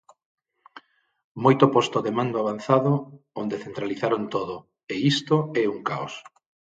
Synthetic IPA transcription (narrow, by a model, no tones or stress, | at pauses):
mojt̪opɔst̪oðemãnd̪oaβ̞anθaðoond̪eθent̪ɾaliθaɾont̪oðo | eist̪oɛuŋkaos